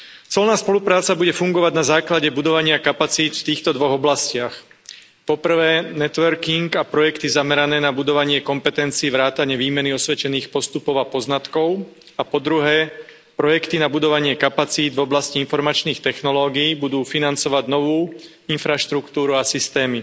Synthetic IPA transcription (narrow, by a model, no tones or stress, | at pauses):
t͡sɛlnaːspɔlupɾaːt͡sabuɟɛfuŋɡɔʋaɟnazaːklaɟɛbud̪ɔʋaɲɪakapat͡siːt̪ft̪iːxt̪ɔd̪ʋɔɣɔblascɪax | pɔpr̩ʋɛːnɛt̪ʋɛɾkiŋɡapɾɔjɛkt̪izamɛɾanɛːnabud̪ɔʋaɲɪɛkɔmpɛt̪ɛnt͡siːʋɾaːt̪aɲɪɛʋiːmɛniɔsʋɛt͡ʃɛniːxpɔst̪upɔʊapɔznat̪kɔʊ | apɔd̪ɾuɦɛː | pɾɔjɛkt̪inabud̪ɔʋaɲɪɛkapat͡siːd̪vɔblasciinfɔɾmat͡ʃniːxt̪ɛxnɔlɔːɡiːbud̪uːfinant͡sɔʋaɟnɔʋuː | infɾaʃt̪ɾukt̪uːɾuasist̪ɛːmi